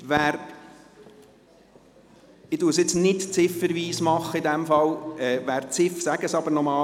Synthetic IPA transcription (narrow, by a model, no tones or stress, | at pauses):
ʋæːɾ | ɪduːɾsjɪt͡snɪtt͡sɪfəɾʋiːsmɑχːəid̪ɛmfɑlɛːvæːɾt͡sɪfsæɡ̥əsɑb̥əɾnɔmɑː